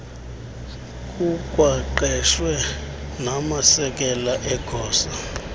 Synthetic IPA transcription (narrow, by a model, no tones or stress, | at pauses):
kʼukʼwaǃɛʃwɛ | namasɛk̬ʼɛlaʔɛɡ̥ʱɔːsa